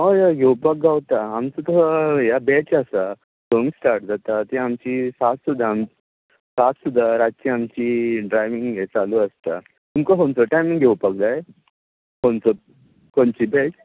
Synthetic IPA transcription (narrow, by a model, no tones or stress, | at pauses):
ɦojaɡʱewpək̚ɡawt̪aːmt͡sət̪ɔajabet͡ɕasa | soŋsʈaɾʈ̚d͡zat̪at̪iamt͡ɕisat̪sud̪ʱːam | sat̪sud̪ʱːaɾat̪̚t͡ɕiamt͡ɕiːɖɾajʋiŋɡɡet͡saluəst̪a | t̪umkəɦont͡səʈajmiŋɡʱewpək̚d͡zae | hont͡so | kont͡ɕibet͡ɕ